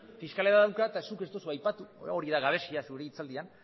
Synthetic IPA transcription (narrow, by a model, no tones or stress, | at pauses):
fiskaleɾaðawkaet̪asuke̞st̪o̞suajpat̪uo̞ɾiðaɣaβ̞e̞siasuɾeit͡sald̪ian